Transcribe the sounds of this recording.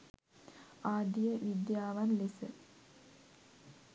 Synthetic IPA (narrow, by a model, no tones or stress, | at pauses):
aːd̪ijəʋid̪jaːʋanlesə